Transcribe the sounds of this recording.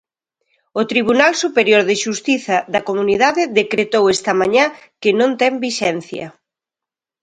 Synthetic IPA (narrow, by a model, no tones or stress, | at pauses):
ʊt̪ɾiβunalsupeɾjoɾðɪʃust̪iθɐðɐkomuniðaðɪðekɾet̪owɛst̪ɐmaɲã | kɪnõnt̪ɛmbiʃɛn̟θjɐ̰